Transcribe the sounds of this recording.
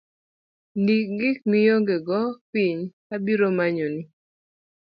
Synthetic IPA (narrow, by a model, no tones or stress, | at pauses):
ndiɡɪk̚mɪjoŋɡeɡɔpiɲ | abiɾomaɲonɪ